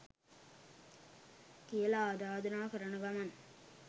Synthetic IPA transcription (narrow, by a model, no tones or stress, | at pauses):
kijəlaaːd̪aːd̪ənaːkəɾənəɡaman